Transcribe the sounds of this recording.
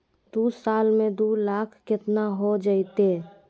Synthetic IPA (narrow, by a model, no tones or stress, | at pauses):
d̪usalmẽd̪ulakʰkɪt̪naɦod͡ʒait̪e